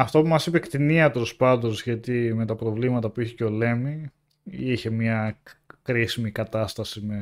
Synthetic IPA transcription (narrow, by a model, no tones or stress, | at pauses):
ɐft̪o̞pumɐsipe̞kt̪iniɐt̪e̞lo̞spɐnd̪o̞sʝɐt̪ime̞t̪ɐpɾo̞vlimɐt̪ɐpuiçeceo̞le̞mi | içe̞mɲɐkɾisimikɐt̪ɐst̪ɐsime